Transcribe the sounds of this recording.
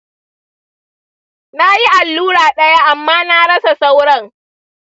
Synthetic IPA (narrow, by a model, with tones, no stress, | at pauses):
na˦ji˦ʔa˨lːuː˦ɽaː˨ɗɐ˦ja˦ʔa˨mːaː˦na˦ɽɐ˦sa˨sa˦wɽɐ˦ŋ